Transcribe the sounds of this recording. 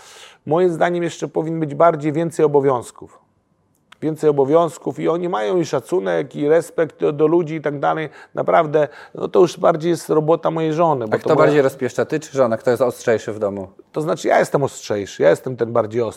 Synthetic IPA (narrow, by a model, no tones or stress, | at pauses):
mɔjimzd̪aɲɛmjɛʂt͡ʂɛpɔvʲiɲʲɛnbɘd͡ʑbaɾd͡ʑejvʲjɛnt̪sɛjɔbɔvʲjɔ̃w̃skuf | vʲjɛnt̪sɛjɔbɔvʲjɔ̃w̃skufiɔɲimajɔ̃w̃iʂat̪sunɛkiɾɛspɛkt̪d̪ɔlud͡ʑiːt̪aɡ̚d̪alɛjnʔa̰pɾavd̪ɛnɔ̰t̪ɔjuʂbaɾd͡ʑejɛst̪ɾɔbɔt̪amɔjejʐɔnɘbatkt̪ɔt̪ɔbaɾd͡ʑejɾɔspʲjɛʂt͡ʂat̪ɘt͡ʂɘʐɔnak̚t̪ɔjɛst̪ɔstʂɛjʂɘvd̪ɔmu | t̪ɔznat͡ʂɘja̰jɛst̪ɛmɔstʂɛjʂɘjajɛst̪ɛmt̪ɛnbaɾd͡ʑejɔs